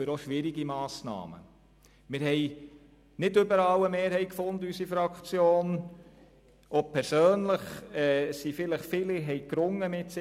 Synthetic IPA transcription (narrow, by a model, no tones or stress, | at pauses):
øɾɔʃʋɪɾiɡimɑːsnɑ̰ːmə̰ | mɪɾhɛɪ | nɪdʏbəɾɑwəmeːɾhɛɪkfʊnd̪əysifɾɑkt͡sjoːn | ʔɔpʰɛɾsøːnləχɛːsifɪləχfɪliɦɛjkɾʊŋːəmɪtsɪ